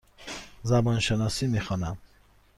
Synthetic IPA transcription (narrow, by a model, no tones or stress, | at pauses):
zabɔnʃənɔsimiχɔnam